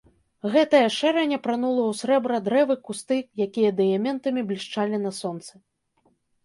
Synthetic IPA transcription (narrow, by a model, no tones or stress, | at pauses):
ɣɛt̪ɐjɐʂɛɾɐnʲɐpɾanulˠɐwsʲɾɛbɾɐd̪ɾɛvɨkust̪ɨjakʲijɐd̪ɛjɐmʲɛnt̪ɐmʲiblʲiʂt͡ʂalʲinɐsɔnt̪sɨ